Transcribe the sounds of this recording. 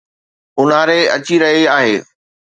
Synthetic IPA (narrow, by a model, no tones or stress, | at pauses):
ʊn̤aɾeɐt͡ɕiɾɐɦiaːɦeː